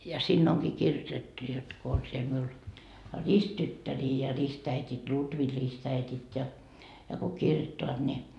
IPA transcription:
jɑ siːnː oŋkiː kirjotetːu jot ko on siel miul ristːytːæriː jɑ ristæitit lutʋi ristæitit jɑ jɑ ko kirjotːoɑt ni

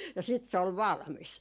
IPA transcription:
jɑ siːt se ol ʋɑlmis

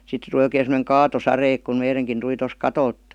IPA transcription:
sitːe tuli oikeː semə̆neŋ kɑːtosɑre ek kum meireŋkin tuli tos kɑtolt

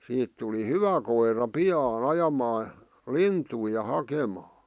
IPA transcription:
siːt tuli hyʋæ koirɑ piɑːn̞ ɑjɑmɑː lintui jɑ hɑkemɑː

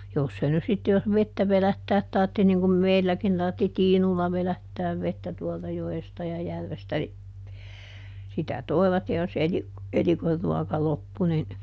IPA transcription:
jos se nys sitːe jos ʋetːæ ʋelætːæːt tɑrtːi niŋ kum meilːækin tɑrtːi tiːnulːɑ ʋelætːæːʋ ʋetːæ tuoltɑ joestɑ jɑ jærʋestæ ni sitæ toi̯ʋɑt jɑ jos eli elikorːuɔkɑ lopːu nin

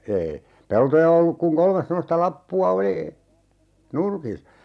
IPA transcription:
eːi peltojɑ olːuk kuŋ kolmes semːostɑ lɑpːuɑ oli nurki

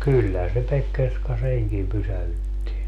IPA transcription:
kylːæhæn se pekːerskɑ seŋkim pysæhytːi

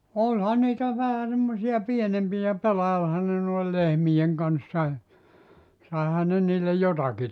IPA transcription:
olʲhɑ niːtæ ʋæhæ semːosiɑ pienempijæ pelɑilhɑn ne noil lehmijeŋ kɑnsːɑ e sɑˑehɑn ne niːlːe jotɑki

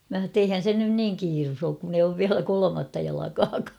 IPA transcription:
mæ h̞ɑ tː eihæn sen nyn niːŋ kiːrus oːk kun ei oːʋ ʋiælæ kolomɑtːɑ jɑlɑkɑːkɑː

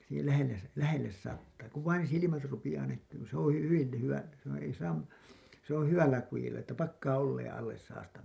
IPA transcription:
siːhel læhelːes læhelːes sɑtːɑː ku ʋɑin silimæt rupij̆ɑː nækːyːn ni se õː hyʋil ly hyʋæ s on̞ ei sɑːm se on hyʋælːæ kujilːɑ etːæ pɑkːɑː olːeːẽ ɑlːes sɑːstɑ

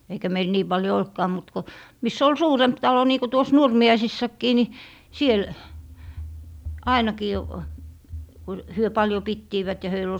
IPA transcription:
eikæ meil niː pɑljo oltkɑː mut ko misː ol suːremp tɑlo niː ko tuos nurmiɑisisːɑkːiː ni siel ɑinɑkiː ku hyø pɑljo pitːiːʋæt jɑ høil ol

